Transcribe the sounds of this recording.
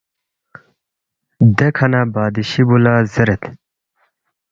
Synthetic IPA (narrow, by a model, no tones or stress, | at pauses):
d̪ekʰɐnabaːd̪iɕibulaːzɐɾet̪